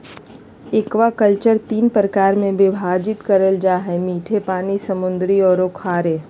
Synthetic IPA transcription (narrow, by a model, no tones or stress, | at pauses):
ɪkʋakəlt͡ʃəɾt̪iːnpɾəkaːɾmẽʋɪbʱaːd͡ʒɪt̪kəɾəld͡ʒaːɦɛmiːʈʰepaːnisɐmʊ̃nd̪ɾiɔːɾoːkʰaːɾeː